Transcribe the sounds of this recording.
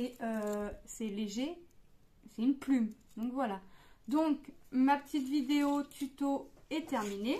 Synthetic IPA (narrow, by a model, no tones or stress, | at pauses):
eøsɛleʒe | sɛynplymd̪ɔ̃kvwalad̪ɔ̃kmapə̥t̪it̪vid̪eot̪ʰyt̪oɛt̪ɛʁmine